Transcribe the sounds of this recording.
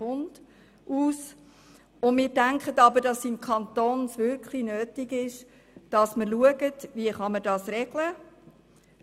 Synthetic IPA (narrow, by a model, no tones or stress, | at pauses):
ʊnd̥ | ʔuːs | ʊndmɪːɾdæŋkχətɑbəɾdɑsːinkχɑnt̪oːnsʋʏɾkχlinøːtiɡɪʃ | d̥ɑsməɾluəɡətviəχɑməɾdɑːsɾɛɡ̥lə